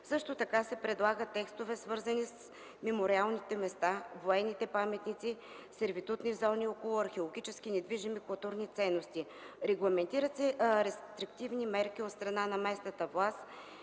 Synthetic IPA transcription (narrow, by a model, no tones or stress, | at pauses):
sɤʃt̪ot̪ɐkasɛpɾɛd̪lˠaɡət̪ːɛkst̪ovɛsvɤɾzɐnis | mɛmoɾialˠnit̪ɛmɛst̪avoɛnːit̪ɛpamɛt̪nit̪si | sɛɾvit̪ut̪nizɔniɔkolˠʊɐɾxɛolˠoɡ̟it͡ʃɛsk̟inɛd̪viʒimikʊlˠt̪uɾnit̪sɛnːost̪i | ɾɛɡlˠɐmɛnt̪iɾət̪sɛɾɛst̪ɾikt̪ivnimɛɾk̟iot̪st̪ɾɐnanɐmɛsnɐt̪əvlˠast̪